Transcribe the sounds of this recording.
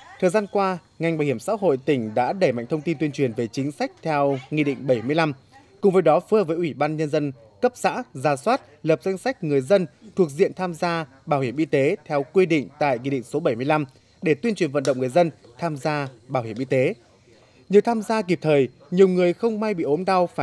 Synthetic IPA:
t̪ʰəː˨˩jzaː˧nkwaː˧ | ŋa˨˩jŋ̟ɓaː˨˩whi˧˩əmsa̰ː˧˥ɦo̰˧˨jt̪ï˧˩ŋ̟ɗa̰ː˧˥ɗə˧˩jma̰˧˨jŋ̟t̪ʰə˧wŋ͡mt̪i˧nt̪wi˧ənt͡ɕwi˨˩ənve˨˩t͡ɕï˨˦ŋ̟sa˦˥k̟̚t̪ʰɛ˧wŋḭ˧ɗḭ˧˨ŋ̟ɓə˧˩jmɨ˧əjla˧m | kʊ̰˨ŋ͡mvəː˨˦jɗɔ˨˦fɨ˧əvəː˨˦jʔwi˧˩ɓaː˧nɲə˧nzə˧n | kə˦˥p̚za̰ː˧˥zaː˨˩swaː˦˥t̚lə˨˩p̚za˧jŋ̟sa˦˥k̟̚ŋɨ˨˩əjzə˧nt̪ʰu˨˩ək̚zḭ˧˨ənt̪ʰaː˧mzaː˧ | ɓaː˧˩whi˧˩mʔi˧t̪e˨˦t̪ʰɛ˧wkwi˧ɗḭ̈˧˨ŋ̟t̪a̰ː˧˨jŋi˧ɗḭ̈˧˨ŋ̟so˨˦ɓə˧˩jmɨ˧ə˧jla˧m | ɗe˧˩t̪wi˧ənt͡ɕwi˨˩ənvə̰˧nɗə̰˧˨wŋ͡mŋɨ˨˩ə˩jzə˧n | t̪ʰaː˧mzaː˧ɓaː˧˩whi˧˩mʔi˧t̪e˨˦ | ɲɨ˨˩t̪ʰaː˧mzaː˧k̬i˨˩p̚t̪ʰəː˨˩j | ɲi˨˩əwŋɨ˨˩əjxə˧wŋ͡mma˧jɓḭ˧˨ʔo˨˦nɗa˧wfaː˧˩

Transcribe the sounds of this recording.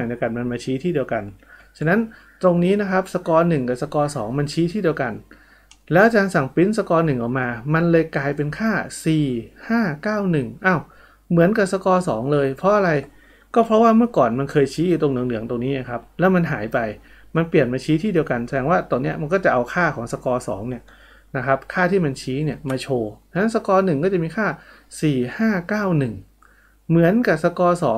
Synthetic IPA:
a˨˩ŋdi˧ka˧nma˧nmaː˧t͡ɕʰiː˦˥t̪ʰiː˥˩di˧əwka˧nt͡ɕʰa˧na˦˥n | t̪ɾo˧ŋniː˦˥na˦˥kʰa˦˥p̚sa˧kɔː˧nɯ˨˩ŋka˨˩sa˧kɔː˧sɔ̰ː˩˦ŋma˧nt͡ɕʰiː˦˥t̪ʰiː˥˩di˧wka˧n | lɛː˦˥ʔt͡ɕaː˧nsa˨˩ŋpi˦˥nsa˧kɔː˧nɯ˨˩ŋʔɔː˨˩k̚maː˧ma˧nlɤː˧jklaː˧jpe˧nkʰaː˥˩siː˨˩haː˥˩kaː˥˩wnɯ˨˩ŋʔa˧˩w | mɯ˨˩˦ənka˨˩p̚sa˧kɔː˧sɔ̰ː˩˦ŋlɤː˧jpʰɾɔ˦˥ʔa˧ɾa˧j | kɔː˥˩pʰɾɔ˦˥waː˥˩mɯ˥˩ɐkɔː˨˩nma˧nkʰɤː˧jt͡ɕʰiː˦˥ju˧˩o˧ŋlɯ˧˦ŋlɯ˩˦əŋt̪o˧ŋniː˦˥na˧˩kʰɾa˦˥p̚lɛ˦˥wma˧nɦa̰ː˩˦jpa˧j | ma˧npli˨˩ənmaː˧t͡ɕʰiː˦˥t̪ʰiː˥˩di˧əwka˧nsa˧˦ɛː˧ŋwaː˥˩t̪oː˧ŋni˦˥ɐma˧nk̬ɔː˥˩t͡ɕa˨˩ʔa˧wkʰaː˥˩kʰɔː˩˦ŋsa˧kɔː˧sɔ̰ː˩˦ŋni˥˩ɐ | na˦˥kʰɾa˦˥p̚kʰaː˥˩t̪ʰiː˥˩ma˧nt͡ɕʰiː˦˥ni˥˩ɐmaː˧t͡ɕʰoː˧t͡ɕʰna˦˥nsa˧kɔː˧nɯ˨˩ŋkɔː˥˩t͡ɕa˨˩miː˧kʰaː˥˩siː˨˩haː˥˩kaː˥˩wnɯ˨˩ŋ | mɯ˩˦ənka˨˩p̚sa˧kɔː˧sɔ̰ː˩˦ŋ

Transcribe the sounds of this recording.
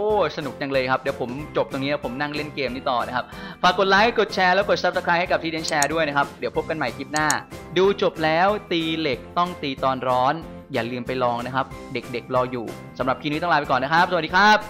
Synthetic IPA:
ʔʔoː˧˩sa˧nu˨˩k̚ja˨˩ŋlɤː˧jkʰa˦˥p̚di˩˦wpʰo˩˦mt͡ɕo˨˩p̚t̪o˧ŋniː˦˥ɛː˦˥wpʰo˩˦mna˥˩ŋle˥˩nkeː˧mniː˦˥˩t̪ɔː˨˩na˦˥kʰa˦˥p̚pʰaː˧kːo˨˩t̪̚laː˦˥jko˨˩t̪̚t͡ɕʰɛː˧lɛː˦˥wko˨˩t̪̚sa˦˥psa˧kʰɾaː˦˥jha˥˩jka˨˩p̚t̪ʰiː˧di˧˦t͡ɕʰɛː˧du˥˩əjna˦˥kʰa˦˥p̚di˩˦wpʰo˦˥p̚ka˧nma˨˩jkiː˦˥p̚naː˥˩duː˧t͡ɕo˨˩p̚lɛː˦˥wt̪iː˧le˨˩k̚t̪ɔ˥˩ŋt̪iː˧t̪ɔː˧nɾɔː˦˥n | jaː˨˩lɯː˧mpa˧jlɔː˧ŋna˦˥kʰa˦˥p̚de˨˩k̚de˨˩k̚lɔː˧jṵː˨˩ | sa˩˦mɾa˨˩p̚kʰiː˧n˧iː˦˥t̪ɔ˥˩ŋaː˧˥pkɔː˨˩na˦˥kʰa˦˥ps̚diː˧kʰaː˦˥˩p̚

